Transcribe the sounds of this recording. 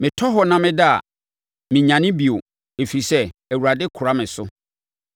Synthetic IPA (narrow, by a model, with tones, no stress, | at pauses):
mɪ̃˨tʰɔ˦ɦɔ˦nã˦mɪ̃˦da˦a̰˨ | mɪ̃˨ɲã˨nɪ̃˦bi˨o˨ | e˨fi˨i˨sɛ˦æ˨wu˨ɾa˨dɪ˦kʰʊ˨ɾa˦mɪ̃˨sʊ˦